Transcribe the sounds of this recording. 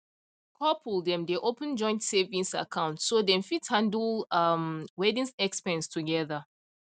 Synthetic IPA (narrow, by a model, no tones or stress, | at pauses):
kʰɔpʰuldɛ̃mdeʔopə̃nd͡ʒɔ̃ɪ̃ntsevĩŋsa̰kʰãʊ̃ntsodɛ̃nfithãndlamwɛdĩnsɛkspɛ̃nstʰuɡɛða